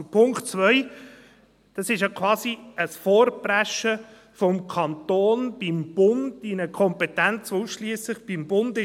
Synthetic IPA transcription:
pʰʊŋktt͡svœj | d̥ɑsɪʃjakʰʋɑːsiəsfoːɾbræʃə | fɔmkʰɑntoːnb̥imb̥ʊndinəkʰɔmpɛtænt͡sʋusʃliəslɪχb̥imbʊndɪ

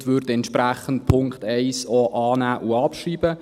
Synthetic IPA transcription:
tʋʏɾdɛnt̪ʃpræχən̩t̚pʰʊŋktɛɪsoʔɑːnæːʔuɑpʃriːbə

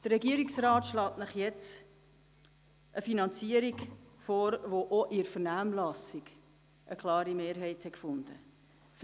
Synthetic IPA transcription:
d̥ərːɛɡiəɾiksɾɑːt̪ʃlɑːtnəχjɛt͡s | ʔəfinɑnt͡siəɾiɡfoːɾʋoʔoʔɪɾfənaːmlɑsiɡ | ʔəkʰlɑːɾimeːɾɦɛɪthɛkfʊnd̥̪ə | f

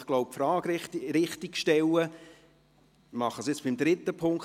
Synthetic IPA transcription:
χɡ̥loʊp̚fɾɑːɡɾɪt̪ɾɪχt̪ikʃtɛlːə | mɑχəsɪt͡sb̥ɪmd̪ɾɪt̪əpʰʊŋk

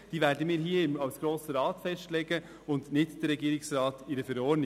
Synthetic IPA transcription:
d̥iːʋæːɾdəmiːɾɦiːəɪmɑwsɡ̥ɾoːsəɾɑːt̪fɛstlɛɡə | ʊndnɪtd̥əɾːɛɡiːɾɪksɾɑːtɪɾəfɛɾɔːɾnɪ

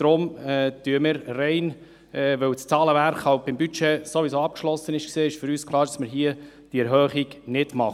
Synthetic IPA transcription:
d̥ɾʊmɛtyəməɾrɛɪn | ɛʋɵwst͡sɑːləʋæɾχhɑʊt̚b̥ɪmbyt͡ʃɛsoʋisoːɑp̚kʃlɔsːənɪʃkseːɪʃfʏɾyːskʰlˠɑːɾd̥ɑsməɾɦiə | d̥iɛɾɦœːχiɡnɪd̥mɑχ

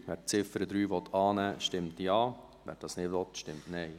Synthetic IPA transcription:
ʋɛːt͡sɪfəɾəd̪ɾyːʋɔt̪ʰɑːnæːʃtɪmtiɑː | ʋɛ̰ːɾd̥ɑsnɪʋɔt̪ʃtɪmtnɛɪ

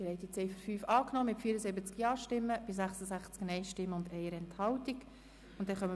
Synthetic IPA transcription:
iɾɛtit͡sɛɪfəɾfyːfɑːknɔːmɪtfiːəɾəsɪbət͡skjɑːɾʃtɪmːəb̥ɪs̬æχsəsæχt͡sknɛɪʃtɪmːəʊndɛɪəɾɛnthɑltik | ʊntd̥ɛχœmə

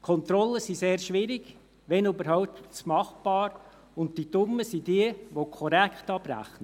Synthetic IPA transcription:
kʰɔnt̪ɾɔlːəsiseːrʃʋɪɾɪɡ̥ | ʋɛnybəɾhaʊptt͡smɑχb̥ɑːɾ | ʊnttitʊmːəsidiəʋokʰɔɾækχtɑb̥ɾæ̰χnə

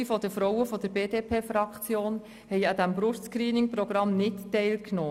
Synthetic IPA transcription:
ifɔd̪əfɾɔwəfɔd̪əɾbeːdeːpʰeːfɾɑkt͡sjoːn | hɛɪɑd̪æmbɾʊɾskɾiːnɪŋpɾɔɡ̥ɾɑmnɪttːɛɪlknoː

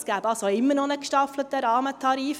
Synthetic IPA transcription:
sɡ̥æːbɑlsoɪmːənɔnəkʃtɑflətəɾɑːmətʰɑɾiːf

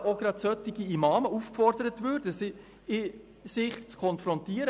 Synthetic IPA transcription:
oɡɾɑtsœtːɪɡiimɑːməufkfɔrd̥əɾətvʉːɾd̥əsɪ | ɪ | sɪχt͡skʰɔnfɾɔntiːəɾə

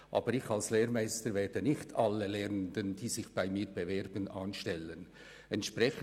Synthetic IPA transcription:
ʔɑ̰ːbəɾɪçalsleːɾmaɪstəɾvɛːdənɪxtʰalːəlɛːəndənd̥iːsɪçb̥aɪmiːɾb̥evɛɾb̥ənʔanʃtɛlən | ɛntʃprɛç

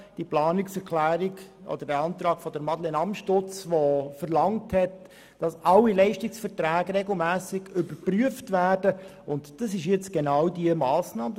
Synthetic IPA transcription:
d̥iplɑːnɪksɛɾkʰlæːɾɪɡʔɔ̰d̪əɾdɛɑnt̪ɾɑːkfɔdəɾmɑdlenɑmʃtʊt͡sʋofəɾlɑŋthɛt | d̥ɑsʔɑlːilɛɪʃtɪksfəɾtɾæːɡɾɛɡl̩ˠmæːsɪɡʏbəɾpryəftvæːrd̥ə | ʊntd̥ɑsɪʃjɛt͡sɡ̥enɑʊdiəmɑːsnɑːm

